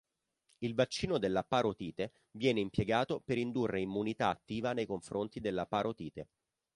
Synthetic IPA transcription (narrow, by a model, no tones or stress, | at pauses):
ilvat͡ʃːiːnod̪elːapaɾot̪iːt̪e | vjɛːneimpjeɡaːt̪opeɾind̪urːeimːunit̪aːt̪ːiːvanejkoɱfɾʔont̪id̪elːapaːɾʔot̪iːt̪e